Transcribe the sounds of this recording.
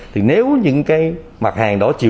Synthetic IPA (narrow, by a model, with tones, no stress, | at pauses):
t̪ʰi˨˩ne˨˦wɲɨ̰˧˥ŋkaː˨˦j | ma˨˩t̚haː˨˩ŋɗɔ˧˨˦t͡ɕḭ˧˨